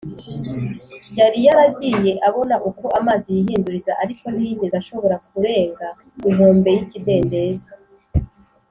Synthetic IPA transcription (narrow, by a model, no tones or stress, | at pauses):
jaɾijaɾabɟiːje̞ʔaβo̞naʔuko̞ʔamaːzijiɦiːnduɾizaʔaɾiko̞niiɟe̞zaʃo̞βo̞ɾak̚uɾe̞ːŋɡa | uʒuːmbe̞jicide̞ːnde̞ːza